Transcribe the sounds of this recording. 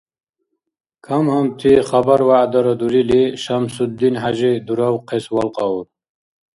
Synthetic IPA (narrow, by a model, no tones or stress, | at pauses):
kʰamhamt̪ʰiχabaɾwaːd̪aɾad̪uɾiliʃamsud̪ːinɦaʒid̪uɾawqʰeswalqɑuɾ